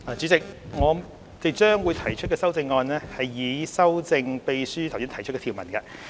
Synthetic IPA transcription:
aː˨˧t͡syː˨˥t͡sɪ˨k̚ŋɔː˨˧ | t͡se˨ŋt͡ʃœː˥ŋwuː˨˧jt̪ʰɐ˨˩jt͡ʃʰt̚kɛː˧sɐ˥wt͡sɪ˧ŋːɔː˧nlɛː˥hɐ˨jːiː˨˧sɐ˥wt͡sɪ˧ŋpe˧jsyː˥t̪ʰɐ˨˩wsiː˥t̪ʰɐ˨˩jt͡ʃʰtkɛː˧t̪ʰiː˨˩wmɐ˨˩nkɐ˧

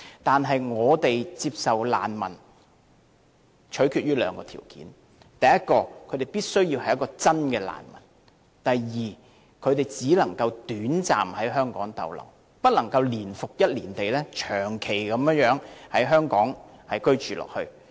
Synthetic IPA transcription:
t̪aː˨nɦɐ˨jŋɔː˨˧t̪e˨jt͡siː˧p̚sɐ˨wla̰ː˨nmɐ˨˩n | t͡ʃʰɵ˨˥ɥkʰyː˨˧t̚jyː˥lœ̰ː˨˧ŋkɔː˧t̪ʰḭː˨˩wkḭ˨˥n | t̪ɐ˨jɐ˥t̚kɔː˧kʰɵ˨˧ɥt̪e˨jpiː˥t̚sɵ˥ɥji˧whɐ˨jɐ˥kːɔː˧t͡sɐ˥nkɛː˧la̰ː˨˩nmɐ̰˨˩n | t̪ɐ˨jjiː˨˩ | kʰɵ˨˧ɥt̪e˨jt͡siː˨˥lɐ˨˩ŋkɐ˧wt̪yː˨˥nt͡sa̰ː˨mhɐ˨˥jɦœː˥ŋkɔ̰ː˨˥ŋt̪ɐ̰˨wlɐ̰˨˩w | pɐ˥t̚lɐ˨˩ŋkɐ˧wliː˨˩nfʊ˨k̚jɐ˥t̚liː˨˩nt̪e˨jlɛː˥t͡ʃʰœː˨˩ŋkʰe˨˩jkɐ˨˥mjŋjœː˨˥ŋhɐ˨˥jɦœː˥ŋkɔː˨˥ŋhɐ˨jkɵ˥ɥt͡ʃyː˨lɔ̰ː˨˩k̚hɵ˧

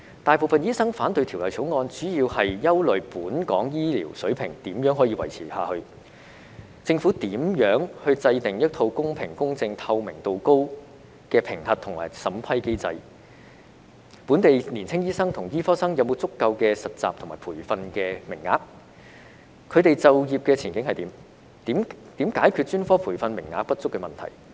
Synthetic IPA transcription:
t̪aː˨jpo˨˧wfɐ˨njiː˥sɐ˥ŋfaː˨˥nt̪ɵ˧ɥt̪ʰːwlɔː˨jt͡sʰo˨˧˥wŋɔː˧nt͡syː˨˥jiː˧whɐ˨jjɐ˥wlɵ˨ɥpuː˨˥nkɔ̰ː˨˥ŋjiː˥lḭː˨˩wsɵ˨˥ɥpʰɪ˨˩ŋt̪iː˨˥mjœː˨˥ŋɦɔː˨˥jiː˧wɐ˨˩jt͡sʰiː˨˩ha̰ː˨˧hɵ˧ɥ | t͡sɪ˧ŋfuː˨˥t̪iː˨˥mjœː˨˥ŋhɵ˧ɥt͡sɐ˧jt̪ɪ˨˩ŋjɐ˥t̚t̪ʰo˧wkʊ˥ŋpʰɪ˨˩ŋkʊ˥ŋt͡sɪ˧ŋt̪ʰɐ˧wmɪ˨˩ŋt̪o˨wko˥w | kɛː˧pʰɪ˨˩ŋt̪ɐ˨t̚t̪ʰʊ˨˩ŋma̰ː˨˩jsɐ˨˥mpʰɐ˥jke˥jt͡sɐ̰˧j | pu˨˥nt̪e˨jniː˨˩nt͡sʰɪ˥ŋjiː˥sɐ˥ŋt̪ʰʊ˨˩ŋjiː˥fɔː˥sɐ˥ŋjɐ˨˧wmo˨˧wt͡sʊ˥kːɐ˧wkɛː˧sɐ˨t̚t͡sa̰ː˨p̚tʰŋmaː˨˩pʰuː˨˩jfɐ˧nkɛː˧mɪ˨˩ŋːa̰ː˨˧k̚ | kʰɵ˨˧ɥt̪e˨jt͡sɐ˨˧wjiː˨p̚kɛː˧t͡sʰiː˨˩nkɪ˨˧˥ŋhɐ˨jt̪iː˨˥mː˨˥ | mt̪iː˨˥mkaː˨˥jkʰyː˧t̚t͡ʃyː˥nfɔː˥pʰuː˨˩fɐ˧nmɪ˨˩ŋːa̰ː˧k̚pɐ˥t̚t͡sʊ˥kːɛ˧mɐ˨nt̪ʰɐ̰˨˩j

